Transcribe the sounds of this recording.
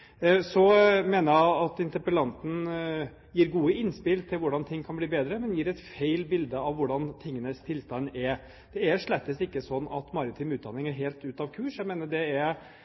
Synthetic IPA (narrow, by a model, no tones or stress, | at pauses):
sɔmeːnəjæɪɑt̪ɪnt̪əpəlɑnt̪n̩ | jiːɾɡuːəɪnspɪlt̪ʰɪlʋʊɖɑnt̪ʰɪŋːkʰɑnbliːbeːd̪ɾəmɛnjiːɾɛt̪feɪlbɪld̪əɑʋʋʊɖɑnt̪ʰɪŋːənəst̪ʰɪlst̪ɑnːɛɾ | d̪̥ɛæɾʂɭɛt̪ːəsɪkːəsɔnːɑ̰t̪mɑɾɪt̪ʰyːmʉːd̪ɑnːɪŋæɾɦeɪlt̪ʉːt̪ɑʋkʰʉːʂjæɪmeːnəɖɛæɾ